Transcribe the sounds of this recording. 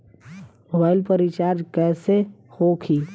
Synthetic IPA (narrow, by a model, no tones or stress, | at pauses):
moːbaːɪlpəɾit͡ʃaːɾd͡ʒkɛːsehokʰiː